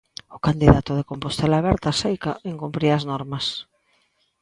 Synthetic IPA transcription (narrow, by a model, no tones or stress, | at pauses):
ʊkand̪iðat̪ʊðekompost̪elaβɛɾt̪asejkaʔeŋkumpɾiɐznɔɾmɐs